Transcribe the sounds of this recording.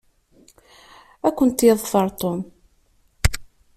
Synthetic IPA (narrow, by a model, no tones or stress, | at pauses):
ækʷːənt̪jeðˤfəɾˤt̪om